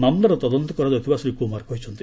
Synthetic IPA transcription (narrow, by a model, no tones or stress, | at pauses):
namnɔɾɔt̪ɔd̪ɔnt̪ɔkɔɾad̪t̪ibasɾikumaɾkɔɦjt͡ʃʰɔnt̪i